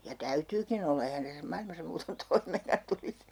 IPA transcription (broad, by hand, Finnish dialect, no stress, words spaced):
jɑ tæytyːkin olːɑ ehæn tæsːæ mɑilmɑsɑ muːton toimeːŋkɑn tulis